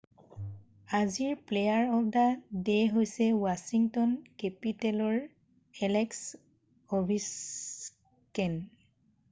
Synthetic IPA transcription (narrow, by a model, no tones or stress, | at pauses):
aziɹplejaɹɔpdadeɦojsɛwasiŋtɔnkɛpitɛlɔɹ | ɛlɛks | obʱis | kɛn